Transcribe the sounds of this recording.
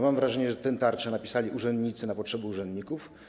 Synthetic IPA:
mamvɾaʐɛɲɛʐɛt̪ɛnt̪aɾt͡ʂɛnapʲisalʲiʔuʐɛnd̪ɲit̪sɘnapɔtʂɛbɛuʐɛnd̪ɲikuf

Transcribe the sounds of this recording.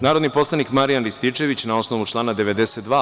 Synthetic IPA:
naːɾod̪nipo̞slˠanikmaɾijanɾist̪it͡ʃe̞ʋit͡ɕnao̞snoʋut͡ʃlˠaːnad̪e̞ʋe̞d̪eset̪d̪ʋaː

